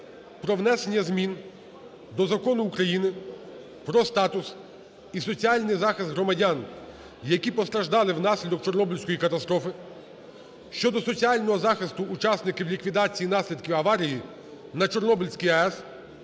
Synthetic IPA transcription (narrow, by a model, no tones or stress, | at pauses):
pɾɔʋnɛsenʲːɐzmʲin | d̪ɔzɐkɔnʊːkɾɐjinɪ | pɾɔst̪ɑt̪ʊs | isɔt͡sʲialʲnɪjzɑxɪst̪ɦɾɔmɐdʲan | jɐkʲipɔst̪ɾɐʒd̪ɑlˠɪwnɑsʲlʲid̪ɔk̚t͡ʃɔrnɔbʲilʲsʲkɔjikɐt̪ɐst̪ɾɔfɪ | ʃt͡ʃɔd̪ɔsɔt͡sʲialʲnɔɦɔzɑxɪst̪ʊːt͡ʃɑsnɪkɪwlʲikʋʲid̪ɑt͡sʲijinɑsʲlʲid̪kʲiwɐʋɑɾʲiji | nɐt͡ʃɔrnɔbʲilʲsʲkijɐɛs